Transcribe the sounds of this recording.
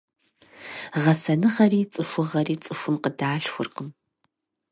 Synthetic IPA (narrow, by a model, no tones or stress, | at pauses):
ʁɐsɐnɨʁɐriːt͡sʼɨxʷʊʁɐriːt͡sʼɨxʷʊmqədaːɬxʷʊ̰rqəm